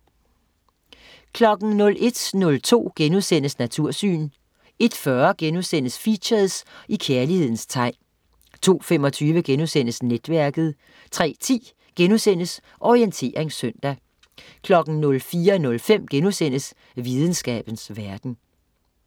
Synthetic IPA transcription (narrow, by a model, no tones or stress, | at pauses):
kʰlɒ̽ɡ̥n̩nɔ̽lʔe̝d̥nɔ̽lt͡sʰo̝̰ːɡ̥enusen̰əsnæt͡sʰuɐ̰sy̰ːn | e̝d̥fɶɐɡ̥enusen̰əsfiɕæðˠsikʰeɐlihe̝ð̞̰ˠn̩st͡sʰɑ̈ɪ̰n | t͡sʰo̝̰ːfem̰ɒ̽t͡sʰyːʋəɡ̥enusen̰əsned̥ʋæɐɡ̥ð̞̩ˠ | t͡sʰʁɛ̰ːt͡sʰḭː | ɡ̥enusen̰əs | ʔɒient͡sʰe̝̰ːʁeŋsœn̰d̥æ | kʰlɒ̽ɡ̥n̩nɔ̽lfiːɐnɔ̽lfem̰ɡ̥enusen̰əs | ʋiːð̞ˠn̩sɡ̥ɛ̰ːb̥ən̩sʋæɐd̥n̩